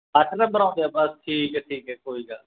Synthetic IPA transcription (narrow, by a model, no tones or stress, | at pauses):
aʈʰnə̃mbəɾãːd̪jaːbəsʈʰiːkɛʈʰiːkɦɛːkoːiːɡaː